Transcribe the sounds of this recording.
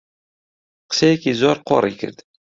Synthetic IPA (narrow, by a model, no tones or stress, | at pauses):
qə̥sæjækizoɾˤqoɾˤḭkə̰ɾd̪̥